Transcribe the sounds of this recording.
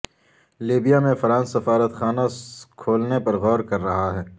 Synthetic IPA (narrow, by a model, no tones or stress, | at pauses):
liːbijamẽfɐɾãːnsːɐfaːɾət̪xaːnakʰoːlnepɐɾɣɔːɾkɐɾːɐɦaɦɛː